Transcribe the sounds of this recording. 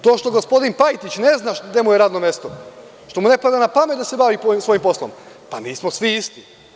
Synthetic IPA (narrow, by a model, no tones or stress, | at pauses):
t̪o̞ːʃt̪o̞ɡospo̞d̪inpajt̪it͡ɕne̞znaʃd̪e̞mujeɾaːd̪nomjest̪o | ʃt̪o̞mune̞pad̪anapamet̪d̪ase̞baʋipoisʋo̞jimpo̞slom | paniːsmo̞sʋiist̪i